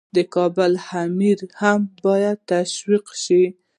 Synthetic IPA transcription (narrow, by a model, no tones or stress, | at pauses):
d̪əkɑbʊlhamiɾhambɑjad̪̚t̪aʃwiqʃi